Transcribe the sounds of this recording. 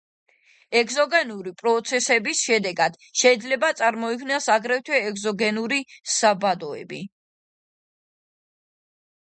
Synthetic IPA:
ɛkʰzɔɡɛnuɾipʼɾɔt̪sʰɛsɛbisʃɛd̪ɛɡad̪̥ | ʃɛid̪zlɛbat̪sʼaɾmɔikʰwnɛsaɡɾɛft̪ʰwɛːkzɔɡɛnuɾisabad̪ɔɛ̰bi

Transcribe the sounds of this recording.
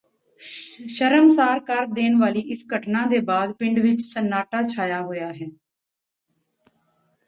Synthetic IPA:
ʃəɾəmsaːɾkəɾd̪eːnʋaːliːʔɪsɡəʈnãːd̪eːbaːd̪pɪ̃ɳɖʋɪt͡ʃsənːaːʈaːt͡ʃʰaːjaːɦoːjaːɦɛː

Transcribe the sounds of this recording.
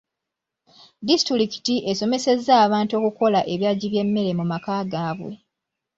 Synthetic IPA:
distɾɾiki̥tiʔe̞so̞me̞se̞zːaːβaːnto̞ːkuko̞laʔe̞βjaːɟiβje̞mːe̞ɾe̞mumakaːɡaːβwḛ

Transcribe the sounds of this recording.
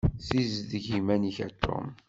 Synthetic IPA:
θizðəʝimæniçæt̪ʰːʊ̰m

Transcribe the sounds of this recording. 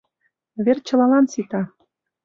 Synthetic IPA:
βert͡ɕɤ̆lɑlɑnsit̪ɑ

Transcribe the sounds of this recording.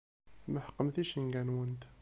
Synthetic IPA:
mæħə̥qːəmθiʃəŋɡænwənt̪

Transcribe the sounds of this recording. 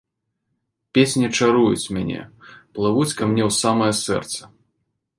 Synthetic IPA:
pʲesʲnʲit͡ʂaɾujut͡sʲmʲanʲɛ̰plˠavut͡sʲkɐmnʲɛwsamɐjɐsɛ̰rt̪sɐ̥

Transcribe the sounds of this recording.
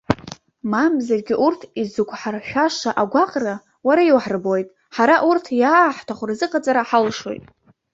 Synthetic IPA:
mamzarɡʲɪʔurtʰizukʷʰʼħarʃʷᶣaʃaʔaɡʷaqʼra | waɾaiwħrbojtʼ | ħaɾaʔurtʰjaːħtʰaχʷʊrzɨqʼat͡sʼaɾaħalʂo̞̰jtʼ

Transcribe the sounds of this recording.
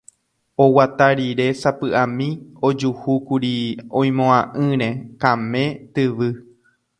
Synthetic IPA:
owat̪aɾiɾe̞sapɨʔãmĩod͡ʒuhukuɾiõj̃mõãʔɨ̃ɾẽkãmẽ̞t̪ɨʋɨ

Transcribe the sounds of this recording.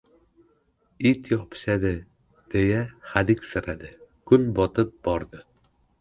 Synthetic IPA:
it̪jɒpʃæd̪ɪ | d̪̥ejæχæd̪ikʲsɘ̆ɾæd̪ɪkɵnbɒt̪ɤp̚b̥ɒɾd̪ɤ

